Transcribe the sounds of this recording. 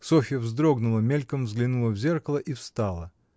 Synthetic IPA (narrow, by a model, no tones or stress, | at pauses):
sofʲɪjəvzd̪ɾoɡnʊlˠəmʲelʲkəmvzɡlʲɪnulˠəvzʲe̞rkəlˠəʔifst̪ɑlˠə